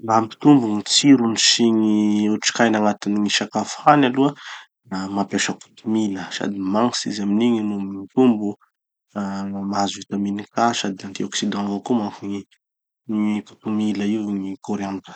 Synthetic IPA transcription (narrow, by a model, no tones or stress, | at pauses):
lampi̥t̪umbuŋit͡siɾunisiɲiuʈ͡ʂi̥kajnaŋat̪iniŋiʃakafanaluə | namapaʃaku̥t̪umiləsa̰d̪imaŋsḭzaminiɲinumit̪umbu | amaazit̪aminikasad̪iant̪iɔksid̪ɑ̃vokumaŋkuɲi | ku̥t̪umiləiuŋikoɾeand̪ə̥